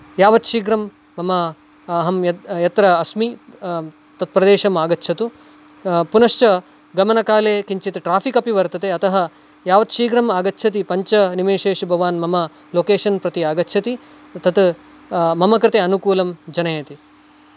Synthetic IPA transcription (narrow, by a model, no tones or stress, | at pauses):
jaːʋɐt̪ʃiːɡɾɐmː | ɐmɐ | ɐɦɐmjɐjɐt̪ɾɐːsmi | t̪ɐt̪̚pɾɐd̪eːʃɐmaːɡɐtːʃʰɐt̪u | punɐʂt͡ʃɐ | ɡɐmɐnɐkaːleːkiɲt͡ʃit̪ʈɾaːpʰikɐpiʋɐɾt̪ɐt̪eɐt̪ɐɦɐ | jaːʋɐt̪ʃiːɡɾɐmaːɡɐt̪ːʃʰɐt̪̬ipɐɲt͡ʃɐnimeːʃeːʂbʱɐʋaːnmɐmɐ | loːkeːʃɐnpɾɐt̪iaːɡɐtːt͡ʃʰɐt̪i | t̪ɐt̪ | mɐmɐkɾɪt̪eɐnukuːlɐmd͡ʒɐnɐjɐt̪i